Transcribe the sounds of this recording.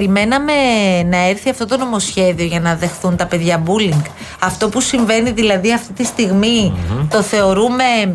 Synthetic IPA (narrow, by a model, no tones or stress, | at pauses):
ɾime̞nɐme̞nɐe̞ɾθiɐft̪o̞t̪o̞no̞mo̞sçe̞ðio̞ʝɐnɐðe̞xθunt̪ɐpe̞ðʝɐbuliŋɡ | ɐft̪o̞pusiɱve̞niðilɐðiɐft̪it̪ist̪iɣmit̪o̞θe̞o̞ɾume̞